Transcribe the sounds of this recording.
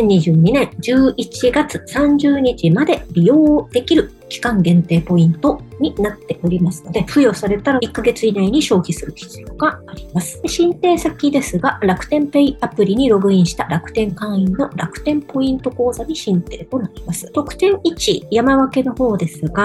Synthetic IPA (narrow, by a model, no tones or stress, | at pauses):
ẽɲ̟ːiʑɨːɲ̟inẽ̞ɰd͡ʑɨːit͡ɕiɡat͡sɨ̥sãɲ̟d͡ʑɨːɲ̟it͡ɕimad̪e̞bʲijo̞ːd̪̥e̞kʲiɾɯ̟ | kʲi̥kãŋɡẽ̞nt̪e̞ːpo̞ĩnt̪o̞ɲ̟inat̪ːe̞ʔoɾʲimasɨno̞d̪e̞ɸɯ̟jo̞saɾe̞t̪aɾaikːaɡe̞t͡sɨinaiɲ̟iɕo̞ːçisɨɾɯ̟çʲi̥t͡sɨjo̞ːɡ̥aːɾʲimasɨ̥ɕĩnt̪e̞ːsakʲid̪e̞sɨɡaɾakɯ̟̥t̪ẽ̞mpe̞iapɯ̟ɾʲiɲ̟iɾo̞ɡɯ̟ĩɰ̃ɕi̥t̪aɾakɯ̟̥t̪ẽ̞ŋkãɰ̃inno̞ɾakɯ̟̥t̪ẽ̞mpo̞ĩnt̪o̞ko̞ːzaɲ̟iɕĩnt̪e̞ːt̪o̞naɾʲimasɨ̥t̪o̞kɯ̟̥t̪ẽ̞ɰ̃it͡ɕijamaβake̞no̞ho̞ːd̪e̞sɨɡa